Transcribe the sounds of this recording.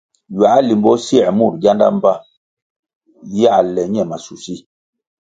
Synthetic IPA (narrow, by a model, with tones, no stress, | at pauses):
ja˨˦li˨mbɔ˦si˦ɛ˨mu˦˨ɾ̚ɡa˦nda̰˦m˦ba˦ | ja˦˨lɛ˨ɲɛ˦˨ma˨su˨si˦